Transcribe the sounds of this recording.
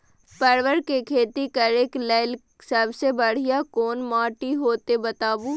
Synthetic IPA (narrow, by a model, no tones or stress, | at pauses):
pɐɾʋəɾkekʰeːt̪ikɐɾeːklɛːl | səbsebɐɽ̤ijakoːnmaːʈiɦoːt̪ebɐt̪aːbuː